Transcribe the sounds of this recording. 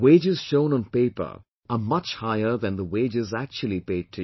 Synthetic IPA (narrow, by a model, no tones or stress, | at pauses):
weɪd͡ʒɪz̥ʃõʊ̃nə̃npeɪpə̰˞ | əmʌt͡ʃhaɪə˞ðɨ̃nðəweɪd͡ʒɪzæk̚t͡ʃul̩ˠipeɪd̚tʰɨ